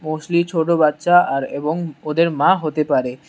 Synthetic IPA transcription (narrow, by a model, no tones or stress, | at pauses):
moʃlit͡ɕʰoʈobat̪ːʃaʔaɾḛboŋod̪eɾmãɦot̪epaɾe